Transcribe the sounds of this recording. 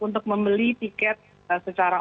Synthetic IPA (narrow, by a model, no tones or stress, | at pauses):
unt̪ʊk̚məmbəlit̪ikɛt̪̚ | əsət͡ʃaɾa